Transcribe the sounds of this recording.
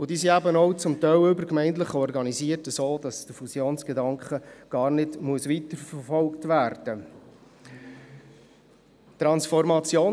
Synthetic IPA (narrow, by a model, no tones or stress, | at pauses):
ʊdiːsiæbənɔwt͡sʊmtœʏbəɾkmɛɪnt̪ləχɔrɡɑniziːətəsoːd̥ɑsd̥əfusjoːnsɡ̥edɑŋkχəɡ̥ɑːɾnɪdmuəsʋitəɾfərfɔlktvæːɾd̥ə | tɾɑnsfɔɾmɑt͡sjoː